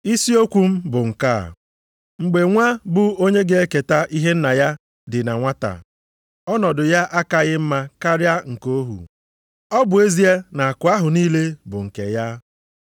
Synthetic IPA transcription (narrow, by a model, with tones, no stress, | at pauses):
i˦si˦o˦kʷu˦m̩˦bʊ˨ŋ̩˨ka̰˦˨ | ŋ͡m̩˨ɡ͡be˨ŋʷa˦bʊ˦o˦ɲe˦ɡe˦e˦ke˨ta˦ʔi˦ɦe˦n̩˦na˨ja˦ | dɪ˨na˨ŋʷa˦ta̰˨ | ɔ˦nɔ˨dʊ˨ja˦ʔa˦ka˨ɣɪ˦m̩˦ma˦ka˦ɾja˦ŋ̩˨ko˦ɦṵ˨ | ɔ˦bʊ˨e˦zi˦e˦na˨a˨kʊ˨a˦ɦʊ˨niː˦le˦bʊ˨ŋ̩˨ke˨ja˦